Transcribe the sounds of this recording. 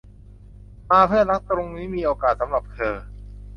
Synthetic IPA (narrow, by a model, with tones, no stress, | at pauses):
maː˧pʰɯ˥˩ɐna˦˥k̚t̪ɾo˧ŋniː˦˥miː˧ʔoː˧kaː˨˩t̪̚sa˩˦mɾa˨˩p̚kʰɤː˧